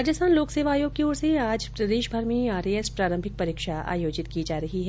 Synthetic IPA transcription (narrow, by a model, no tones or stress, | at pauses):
aːd͡ʒəst̪aːnloːkseːʋaːjõɡ̚keoːɾseaːd͡ʒpɾɐd̪eːʃbʱɐɾmẽaːɾeɛspɾaːɾə̃mbʱɪk̚pɐɾiːkʃaa̰ːjoːd͡ʒɪt̪kid͡ʒaːɾɐɦiɦɛː